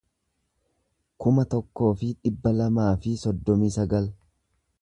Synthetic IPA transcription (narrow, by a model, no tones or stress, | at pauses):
kʊmɐt̪ɔkːo̞ːfɪᶑɪbːɐlɐmaːfɪsɔd̪ːɔmiːsɐɡɐl